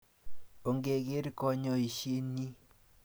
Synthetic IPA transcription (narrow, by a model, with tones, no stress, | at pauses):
o˨ŋɡe˨ɡe˦ɾkɔ˦ɲɔ˦i˨ʃe˦ni˦